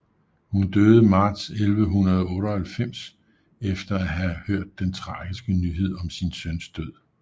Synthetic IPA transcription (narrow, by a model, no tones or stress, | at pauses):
hund̥øð̞̩ˠəmɑ̈ːd̥selʋəɦunɐð̞ˠɔ̽ːɾɐhælfem̰s | efd̥ɐæɦæhøɐ̰d̥̚ːent͡sʰʁɑ̈ːɡ̥isɡ̥ənyɦe̝ð̞̰ˠɒ̽msinsønsd̥øð̰ˠ